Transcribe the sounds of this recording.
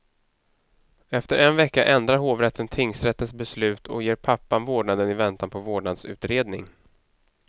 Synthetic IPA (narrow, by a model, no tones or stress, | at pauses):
ɛft̪əɾʔɛnvɛkːaʔɛnd̪ɾaɾɦoːvɾɛt̪ʰːənt̪ʰɪŋsɾɛt̪ːət̪sbɛslʉ̟ːt̪ʰɔ̰jeːɾpʰapːanvoːɖɳad̪ənɪvɛnt̪anpʰɔvoːɖɳad̪sʉ̟ːt̪ɾeːd̪nɪ̰ŋ